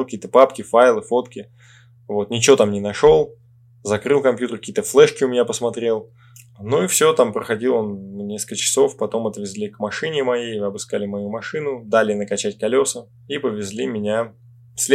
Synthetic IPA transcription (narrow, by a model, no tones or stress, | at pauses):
kɐkʲijt̪əpapkʲɪfajlˠɨfo̞t̪kʲɪ | vo̞t̪̚nʲɪt͡ɕɪʋo̞t̪amnʲɪnɐʂo̞lˠ | zɐkɾɨlˠkɐmpʲjut̪ərkɐkʲiːt̪əflˠɛʂkʲɪʊmʲɪnʲapəsmɐt̪ɾʲe̞lˠ | nuifsʲot̪ampɾəxɐdʲilˠonːnʲeslkɨkət͡ɕɪ̥so̞fpɐt̪o̞mɐt̪vʲɪzʲlʲikmɐʂɨnʲɪmɐjejɐbɨskalʲɪmɐjumɐʂɨnʊd̪alʲɪnəkɐt͡ɕæt̚ʲkɐlʲosə | ipəvʲɪzʲlʲimʲɪnʲa | fsʲlʲ